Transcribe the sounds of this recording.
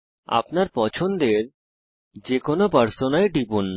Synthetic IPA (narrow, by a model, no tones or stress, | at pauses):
a̰pnaɾpɔt͡ɕʰond̪eɾ | d͡ʑekonopəɾsonaeɖipunː